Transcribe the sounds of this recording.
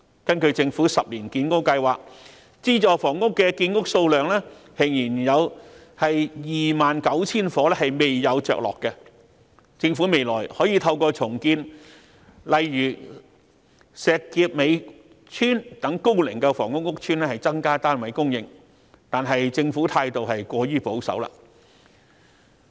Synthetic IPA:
kɐ˥nkɵ˧ɥt͡sɪ˧ŋfuː˨˥sɐ˨p̚liː˨˩nkiː˧nkʊ˥kkɐ˧jwaː˨k̚ | t͡siː˥t͡ʃɔː˨˧fɔː˨˩ŋːʊ˥kːɛ˧kiː˧nkʊ˥k̚so˧wlœː˨ŋlɛː˥hɪ˨˩ŋjiː˨˩njɐ˨˧w | hɐ˨jjiː˨˩maː˨nkɐ˨˥wt͡sʰiː˥nfɔː˨˥lɛ˥hɐ˨jme˨jjɐ˨˧wt͡ʃœ̰ː˨k̚lɔ̰ː˨kːɛ˧ | t͡sɪ˧ŋfuː˨˥me˨jlɔ̰ː˨˩jhɔː˨˥jiː˨˧t̪ʰɐ˧wkɔː˧t͡sʰʊ˨˩ŋkiː˧n | lɐ˨jɥyː˨˩ | sɛː˨˧kːiː˧p̚me˨˧j | t͡ʃʰyː˥nt̪ɐ˨˥ŋko˥wlɪ˨˩ŋkɛ˧fɔː˨˩ŋʊ˥k̚ŋʊ˥k̚t͡ʃʰyː˥nɛː˥hɐ˨jt͡sɐ˥ŋkaː˥t̪aː˥nwɐ˨˥jkʊ˥ŋjɪ̰˨ŋ | t̪aː˨nɦɐ˨jt͡sɪ˧ŋfuː˨˥t̪ʰaː˧jt̪o˨wɦɐ˨jkʷɔː˧jyː˥po˨˥wsɐ̰˨˥wla̰ː˧

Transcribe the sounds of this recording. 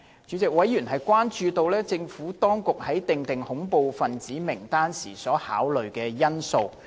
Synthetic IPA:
t͡ʃyː˨˧˥t͡sɪ˨k̚wɐ˨˥jyː˨˩nɦɐ˨jkʷaː˥nt͡ʃyː˧t̪o˧wlɛː˥t͡sɪ˧ŋfuː˨˥t̪ɔː˥ŋkʊ˨k̚hɐ˨˥jt̪ɪ˨ŋt̪ɪ˨ŋhʊ˨˥ŋpo˨˧wfɐ˨nt͡siː˨˥mɪ˨˩ŋt̪aː˥nsiː˨˩sɔː˨˥ha̰ː˨˥wlɵ˨ɥkɛː˧jɐ˥nso˨˧w

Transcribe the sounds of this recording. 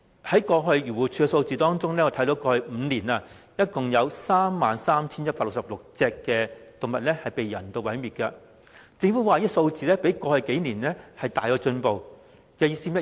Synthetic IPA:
hɐ˨˥jkɔː˧ɦɵ˧ɥɥyː˨˩wuː˨˩t͡ʃʰyː˧kɛ˧so˧wt͡siː˨˧t̪ɔː˥ŋt͡sʊ˥ŋlɛː˥ŋɔ˧t̪ʰɐ˨˥jt̪o˨˥wkɔː˧hɵ˧m̩ː˨˧niː˨˩naː˧ | jɐ˥t̚kʊ˨ŋjɐ˨˧wsaː˥mːaː˨nsaː˥mt͡sʰi˥njɐ˥paː˧lʊ˨k̚sɐ˨p̚lʊ˨k̚t͡sɛː˧kːɛː˧t̪ʊ˨ŋmɐ˨t̚lɛ˥hɐ˨jpe˨jːɐ˨˩nt̪o˧wɐ˨˥jmiː˨˩t̚kɐ˧ | t͡sɪ˧ŋfu˨˥waː˨jːso˧wt͡siː˨lɛː˥pe˨˥jkɔː˧hɵ˧ke˨˥jniː˨˩nlɛ˥hɐ˨jt̪aː˨jkɔː˧t͡ʃɵ˧npo˨w | kɛː˧jiː˥si˥mjɐ˥

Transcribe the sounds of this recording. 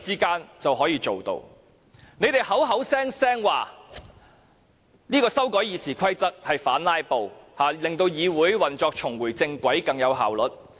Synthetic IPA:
t͡siː˥kaː˥nt͡sɐ˨wɦɔː˨˥jiː˨˧t͡so˨wt̪o̰˧w | ne˨˧jt̪e˨˩jhɐ˨˥wɦɐ˨˥wsɛː˥ŋsɛː˥ŋwaː˨˩ | niː˥kɔː˧sɐ˥wkɔː˨˥jiː˨˧siː˨˩kʷʰɐ˥jt͡sɐ˥k̚hɐ˨jfaː˨˥nlaː˥jpo˨whaː˨lɪ˨˩ŋt̪o˧wjiː˨˧wuː˨˥jwɐ˨nt͡ʃɔː˧k̚t͡ʃʰʊ˨˩ŋwuː˨˩jt͡sɪ˧ŋkʷɐ˨˥jkɐ˨˧ŋjɐ˨˧wɦa̰ː˨wlɵ˨˥t̚

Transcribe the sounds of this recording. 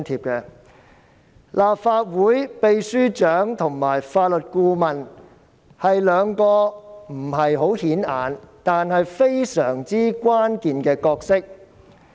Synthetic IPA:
nt̪ʰiː˧p̚kɛ˧ | lʔaː˨p̚faː˧t̚wuː˨˥jpe˨˧jsyː˥t͡ʃœː˨˥ŋt̪ʰʊ˨˩ŋmaː˨˩jfaː˧t̚lɵ˨t̚kuː˧mɐ˨n | hɐ˨jlœː˨˧ŋkɔː˧m̩˨˩ɦɐ˨jɦo˨˥whiː˨˥naː˨nt̪aː˨nhɐ˨jfe˥jsœː˨˩ŋt͡siː˥kwaː˥nkiː˨nkɛː˧kɔː˧k̚sɪ˥k̚

